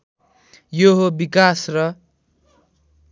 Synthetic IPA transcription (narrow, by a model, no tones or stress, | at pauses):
joɦobikasrʌ